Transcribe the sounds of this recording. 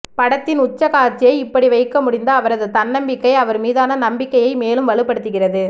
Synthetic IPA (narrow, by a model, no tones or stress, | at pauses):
pɐɽɐt̪ːɪnʊt͡ʃːɐkaːɾt͡ʃːɪjɐɪɪpːɐɽiʋɐɪkːɐmʊɽɪnd̪ɐːʋɐɾɐðɯt̪ɐnːɐmbɪkːɐɪɐʋɐɾmiːðaːnɐnɐmbɪkːɐjɐɪmeːlɯmʋɐɭɯpːɐɽɯt̪ːɯɣɪrɐðɯ